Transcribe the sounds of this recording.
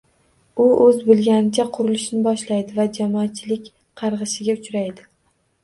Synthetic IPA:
ʊɵzbɪlˠɡʲanɪt͡ʃʰaqʰʊɾɪlɪʃnɪbɒʃlajd̪ɪvad͡ʒamɒːt̪̚t͡ʃʰːɪlɪkʲ | qʰɑɾʁɨʃɪɡʲaʊt͡ʃɾajd̪ɪ

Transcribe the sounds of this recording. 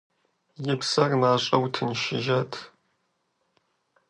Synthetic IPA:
jɪpsɐrmaːɕʼɐwtʰɨnʃɪʒɐtʰ

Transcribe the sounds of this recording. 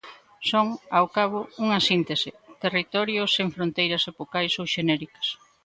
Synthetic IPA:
soŋawkaβ̞ouŋɐsint̪esɪt̪erit̪ɔɾjoseŋfɾõnt̪ejɾɐsepokajsowʃenɛɾikɐ̥s

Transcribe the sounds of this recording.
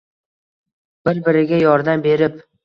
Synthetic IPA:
b̥ɪɾbɪɾɪɡʲajɒɾd̪ambe̞ɾɪp̚

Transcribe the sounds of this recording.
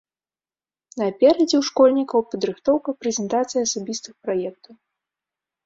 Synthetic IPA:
nɐpʲɛɾɐd͡zʲɛwʂkɔlʲnʲikɐwpɐd̪ɾɨxt̪ɔwkɐpɾɛzʲɛnt̪at̪sɨjɐsabʲist̪ɨxpɾajɛk̚t̪ɐw

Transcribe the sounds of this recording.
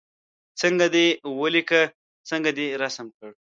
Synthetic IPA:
t͡səŋɡad̪ewəlika | t͡səŋɡad̪eɾasəmkəɽ

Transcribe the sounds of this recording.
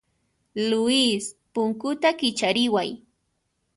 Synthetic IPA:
lʊispʊŋkʊt̪akɪt͡ʃaɾɪwaj

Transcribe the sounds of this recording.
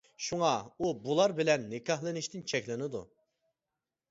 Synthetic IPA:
ʃuŋɑubulˠɑɾbɪlɛnːɪkʰɑhlˠɪnɪʃt̪ɪnt͡ʃʰɛkʲlɪnɪd̪ṵ

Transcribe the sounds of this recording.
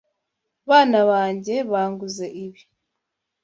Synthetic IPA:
βaːnaβaːɲɟe̞βaːŋɡuze̞ʔiβi

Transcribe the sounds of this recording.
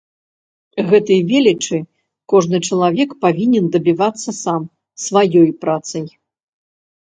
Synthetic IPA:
ɣɛt̪ɐjvʲɛlʲit͡ʂɨ | kɔʐnɨt͡ʂɐlˠavʲɛkpavʲinʲɛnd̪ɐbʲivat̪sːɐsam | svajɔjpɾat̪sɐj

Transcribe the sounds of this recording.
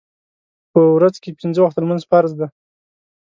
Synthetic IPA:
pəwɾazkepinzəwaxt̪almanzpaɾzd̪a

